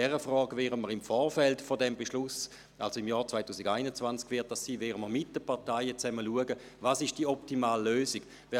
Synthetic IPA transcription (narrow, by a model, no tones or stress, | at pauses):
ɛʁəfʁɔːɡvɛːʁəməʁɪmfɔːʁfɛltfodɛmbɛʃlʊs | ʔa̰lsoɪmjɔːt͡svaɪtʰuːsɪɡaɪnət͡svant͡skvɪɐt̚d̥assiːvɛːʁəməʁmɪt̚d̥əpʰaɐtaɪət͡sɛməluəɡə | vaːsɪʃd̥iəɔptimaːlːøːsɪk | vɛ